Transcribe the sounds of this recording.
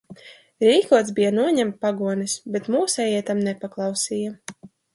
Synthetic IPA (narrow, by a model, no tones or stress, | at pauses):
ɾiːkuɔt̪sbijanuɔɲamt̪̚paɡuɔnɛsbet̪muːsɛjiɛt̪amnɛpaklˠɑwsiːja